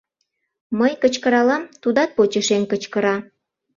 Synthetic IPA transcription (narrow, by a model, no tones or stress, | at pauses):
məjkət͡ɕkəɾɑlɑmt̪ud̪ɑt̪̚pot͡ɕəʃenkət͡ɕkəɾɑ